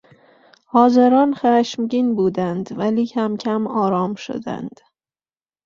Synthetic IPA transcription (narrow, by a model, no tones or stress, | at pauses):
hɒːzeɾɒnχæʃmɟinbuːd̪ænd̪vælikʰæmcʲʰæmɒːɾɒmʃo̰d̪æ̰nd̪̥